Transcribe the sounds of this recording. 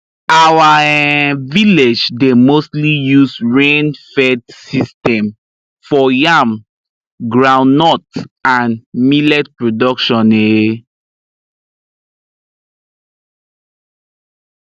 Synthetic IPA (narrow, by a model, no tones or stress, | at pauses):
awa | viled͡ʒdemostlijusɹẽnfɛdsistɛ̃m | fɔjam | ɡɹãw̃nːɔtãnmilɛt̚pɹodɔkʃɔ̃ne